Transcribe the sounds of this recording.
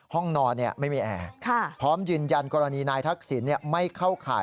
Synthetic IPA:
hɔ˥˩ŋnɔː˧nːi˥˩ɐma˥˩jmiː˨˧ʔɛ̰ː˨˧kʰa˥˩pʰɾɔː˦˥mjɯː˧nja˧nkɔː˧ɾa˧niː˧naː˧jt̪ʰa˦˥k̚si˩˦nːi˥˩əma˥˩jkʰa˥˩wkʰa̰ː˩˦j

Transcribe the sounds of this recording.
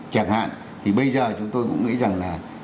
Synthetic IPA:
t͡ɕa˧˩ŋha̰ː˧˨n | t̪ʰi˨˩ɓə˧jzəː˨˩t͡ɕʊ˨˦ŋ͡mt̪o˧jkʊ̰˧˥ŋ͡mŋḭ˧˥za˨˩ŋlaː˨˩

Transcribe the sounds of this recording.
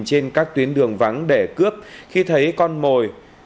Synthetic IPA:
t͡ɕe˧nkaː˦˥k̚t̪wi˨˦ənɗɨ˨˩əŋva˨˦ŋɗe˧˩kɨ˦˥əp̚xi˧t̪ʰə˨˦jkɔ˧nmo˨˩j

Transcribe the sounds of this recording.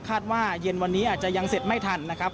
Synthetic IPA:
kʰaː˥˩t̪̚waː˥˩je˧nwa˧nːiː˦˥ʔaː˨˩t̪̚t͡ɕa˨˩ja˧ŋse˨˩t̪̚ma˥˩jt̪ʰa˧nːa˦˥kʰɾa˦˥p̚

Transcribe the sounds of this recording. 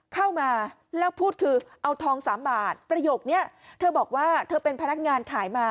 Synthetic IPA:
kʰa˥˩wmaː˧ | lɛː˦˥wpʰuː˥˩t̪̚kʰɯː˧ʔa˧wt̪ʰɔː˧ŋsaː˩˦mbaː˨˩t̪̚pɾa˧joː˨˩k̚ni˦˥˩ɐ | t̪ʰɤː˧bɔː˨˩k̚waː˥˩t̪ʰɤː˧pe˧npʰa˧na˦˥k̚ŋaː˧nkʰaː˩˦jmaː˧

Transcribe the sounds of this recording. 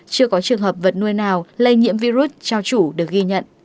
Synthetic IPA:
t͡ɕɨ˧əkɔ˨˦t͡ɕɨ˨˩əŋhɦəː˨˩p̚və˨˩t̚nu˧əjnaː˨˩wlə˧jɲḭ˧˥əmvi˧zu˦˥t̚t͡ɕa˧wt͡ɕu˧˩ɗɨ˨˩ək̚ɣi˧ɲə̰˧˨nʔ

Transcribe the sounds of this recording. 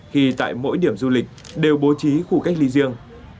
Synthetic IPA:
hḭ˧˨t̪a̰ː˧˨jmo̰˧˥jɗi˧˩əmzu˧lï˨˩k̟̚ | ɗe˨˩wɓo˨˦t͡ɕi˨˦xu˧˩ka˦jk̚li˧zi˧əŋ

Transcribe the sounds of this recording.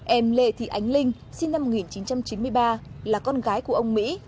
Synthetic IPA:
ʔɛ˧˩mlḛ˧˨t̪ʰḭ˧˨˩ʔa˨˦jŋ̟lï˧ŋ̟ | si˧nːa˧mːo˨˩k̚ŋi˨˩nt͡ɕi˨˦nt͡ɕa˧mt͡ɕi˨˦nmɨ˧əjɓaː˧laː˨˩kɔ˧nɣaː˨˦jku˧˩əʔə˧wŋ͡mmḭ˧˥

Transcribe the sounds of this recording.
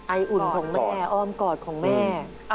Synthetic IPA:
ʔa˧jʔu˨˩nkʰɔː˩˦ŋmɛː˧˥ʔɔː˧mkɔː˨˩t̪̚kʰɔː˨˩˦ŋmɛː˥˩

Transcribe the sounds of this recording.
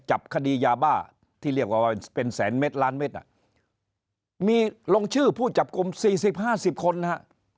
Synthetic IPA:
t͡ɕa˨˩p̚kʰa˧diː˧jaː˧baː˥˩ | t̪ʰiː˥˩ɾli˥˩ək̚waː˧˩wa˥˩pe˧nsɛː˩˦nme˦˥t̪̚laː˦˥nme˦˥t̪̚na̰˦˩ | miː˧lo˧ŋt͡ɕʰɯː˥˩pʰuː˥˩t͡ɕa˨˩p̚ku˧msiː˨˩si˨˩p̚haː˥˩si˨˩p̚kʰo˧nːa˦˥ha˦˥ʔ

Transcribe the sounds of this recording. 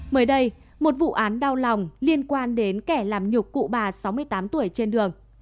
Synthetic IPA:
məː˨˦jɗə˧j | mo˨˩t̚vṵ˧˨ʔaː˨˦nɗa˧wla˨˩wŋ͡mli˧ənkwaː˧nɗe˨˦nkɛ˧˩laː˨˩mɲʊ˨˩k͡p̚kṵ˧˨ɓaː˨˩sa˨˦wmɨ˧əjt̪aː˨˦mt̪u˧˩əjt͡ɕe˧nɗɨ˨˩əŋ

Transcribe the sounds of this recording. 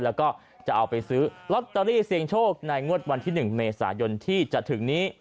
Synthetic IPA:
lɛː˦˥wkɔː˥˩ | t͡ɕa˨˩ʔa˧wpa˧jsɯː˦˥lo˦˥t̪ːa˧ɾiː˥˩si˧əŋt͡ɕʰoː˥˩k̚na˧jŋu˥˩ət̪̚wa˧nt̪ʰiː˥˩nɯ˨˩ŋmeː˧sa̰ː˩˦jo˧nt̪ʰiː˥˩t͡ɕa˨˩t̪ʰɯ˨˩˦ŋniː˦˥

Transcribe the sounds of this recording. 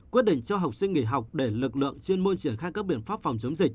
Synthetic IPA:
wi˦˥ət̚ɗḭ˧˨ŋ̟t͡ɕɔ˧ɦa˨˩wk͡p̚sï˧ŋ̟ŋḭ˧˩ɦa˨˩wk͡p̚ɗe˧˩lɨ˨˩k̚lɨ̰˧˨əŋt͡ɕi˧ənmo˧nt͡ɕi˧˩ənxaː˧jkaː˦˥k̚ɓḭ˧˨ənfaː˦˥p̚fa˨˩wŋ͡mt͡ɕə˨˦wŋ͡mzi˨˩k̟̚

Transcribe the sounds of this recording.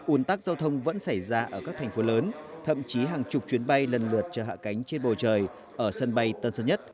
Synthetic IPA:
ʔu˨˦ənt̪aː˦˥k̚zaː˧wt̪ʰə˧wŋ͡mvə̰˧˥nsa˧˩jzaː˧ʔəː˧˩kaː˦˥k̚t̪ʰɛ˨˩ŋ̟fo˨˦ləː˨˦nt̪ʰə̰˧˨mt͡ɕi˨˦ɦaː˨˩ŋt͡ɕʊ˨˩k͡p̚t͡ɕwi˨˦ənɓa˧jlə˨˩nlɨ˨˩ət̚t͡ɕəː˧˩ɦa̰ː˧˨ka˨˦jŋ̟t͡ɕe˧nɓo˨˩t͡ɕəː˨˩j | ʔəː˧˩sə˧nɓa˧jt̪ə˧nsə˧nɲə˦˥t̚

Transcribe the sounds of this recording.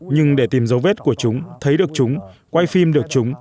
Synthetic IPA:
ɲɨ˧ŋɗe˧˩t̪i˨˧˩mzə˨˦wve˦˥t̚ku˧˩ət͡ɕʊ˨˦ŋ͡mt̪ʰə˨˦jɗɨ˨˩ək̚t͡ɕʊ˨˦ŋ͡m | kwa˧jfi˧mɗɨ˨˩ək̚t͡ɕʊ˨˦ŋ͡m

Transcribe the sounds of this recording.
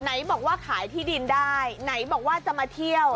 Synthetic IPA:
na˩˦jbɔː˨˩k̚waː˥˩kʰaː˩˦jt̪ʰiː˥˩di˧ndaː˥˩jna˩˦jbɔː˨˩k̚waː˥˩t͡ɕa˨maː˧t̪ʰi˥˩əw

